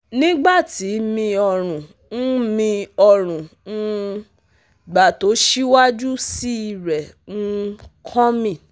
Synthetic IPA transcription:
nĩ˦ɡ͡ba˦˨ti˨˦mĩ˧ɔ˧˨ɾ̃ũ˨ | n̩˦mĩ˧ɔ˧ɾ̃ũ˨nũ˦ | ɡ͡ba˨to˨˦ʃi˦wa˦d͡ʒu˦si˦i˦˨ɾɛ˨ | nũ˦kʰɔ̃˦mĩ˦˨

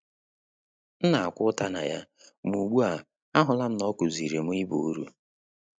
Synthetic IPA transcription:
n̩˦na˨a˨kʷʊ˦ta˦na̰˨ja˦ | mu˨ɡ͡bu˦a˨ | a˦ɦʊ˨la˦n̩˦nɔ˦ku˨zi˨ɾe˨m̩˦i˦bu˨u˦ɾṵ˦

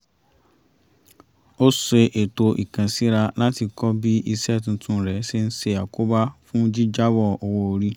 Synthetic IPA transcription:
o˦se˧ʔe˨to˧ʔi˨kã˨si˨˦ɾa˧la˦ti˧kɔ˦bi˦ʔi˧sɛ˦˨tn̩˧tʰũ˦˨ɾɛ˨˦si˦n̩˦se˧ja˨ko˦ba˦fũ˦d͡ʒi˦d͡ʒa˦wɔ˦˨o˨wo˧o˧ɾi˦

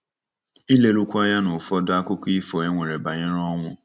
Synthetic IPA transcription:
i˦le˦ɾu˦kʷa˦ja˦nʊ˨fɔ˦da˦kʊ˦kʊ˦i˦fɔ˨e˦ŋʷe˨ɾe˨ba˨ɲɪ˦ɾɔ˦ŋʷʊ˦

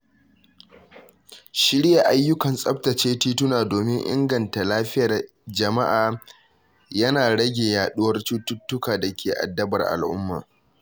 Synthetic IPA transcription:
ʃɪ˦ɽɾɪ˦ja˨ʔa˦jːʊ˦kɐ˨nsʼɐ˦p̚tɐ˨t͡ʃeː˦tiː˦tʊ˦naː˨doː˨mɪ˦ŋʔɪ̰˦ŋɡɐ˨nta˨laː˦ɸɪ˦jɐ˨r | d͡ʒɐ˨ma˦ʔaː˨ | jɐ˦naː˨ɽɐ˦ɡʲeː˨jaː˨ɗʊ˦wɐ˦rtu˦tʊ˦tːʊ˦kaː˨da˨kʲʰeː˨ʔa̰˨dːɐ˦bɐ˨rʔa̰˨lʔʊ̰˦mːa̰ː˨

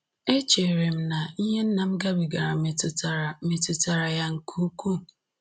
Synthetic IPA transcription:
e˦t͡ʃe˨ɾe˨m̩˦na˨i˦ɦe˦n̩˦na˨m̩˦ɡa˦bi˨ɡa˨ɾa˨tme˨tʊ˨ta˨ɾa˨ja˦ŋ̩˨kʰu˦ku˦

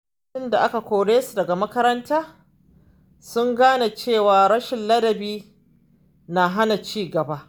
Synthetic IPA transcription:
ɪ˦nda˨ʔa˦ka˨kʷoː˨ɽeː˦su˨dɐ˨ɡa˨mɐ˦kɐ˦ɾɐ˦ntaː˦ | sʊ˦ŋɡaː˦na˨t͡ʃeː˦˨waː˨ɾɐ˦ʃɪ˨nlɐ˦dɐ˨biː˦ | na˨ɦa˦na˨t͡ʃiː˦ɡɐ˨ba˦ʔ

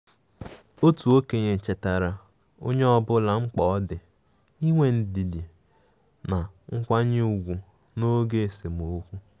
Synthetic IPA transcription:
o˦tu˨o˦ke˨ɲe˨t͡ʃe˨ta˨ɾa˨ | o̰˦ɲe˦ɔ˦bʊ˦la˨ŋ͡m̩˦k͡pɔ˦ɔ˦dɪ˨ | i˦ŋʷe˨n̩˨di˨di˨ | na˨ŋ̩˦kʷa˦ɲɪ˦u˨ɡʷu˨ | no˦ɡe˦e˨se˨m˨o˨˦kʷu˦

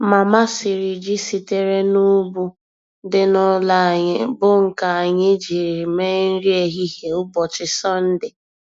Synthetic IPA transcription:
ma˨ma˦sɪ˨ɾi˨d͡ʒi˦si˨te˦ɾe˦nu˦bu˦ | dɪ˦nʊ˦la˨ɲɪ˦bʊ˦ŋ̩˨ka˨a˨ɲɪ˦d͡ʒi˨ɾi˨me˦n̩˦ɾi˦e˨ɦi˦ɦe˨ʊ˦bɔ˨t͡ʃɪ˨sɔ˦n̩˦dɪ˨

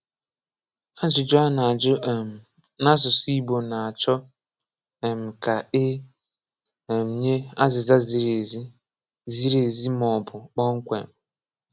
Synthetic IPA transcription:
a˦zʊ˨d͡ʒʊ˦a˦na˨d͡ʒʊ˦˨m̩˨ | na˦zʊ˨si˦bo˨na˨a˨t͡ʃɔ˦ | e˨m̩˨ka˨ɪ˦˨ | m̩˨ɲe˦a˦zɪ˨za˦zi˦ɾe˨zi˦ | zi˦ɾe˨zi˦m˦ɔ˨bʊ˨k͡pɔ˦ŋ̩˦kʷḛ˨m̩˨

